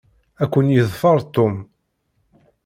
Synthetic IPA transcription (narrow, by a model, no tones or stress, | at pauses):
ækʷːənjəðˤfɑɾˤt̪ːom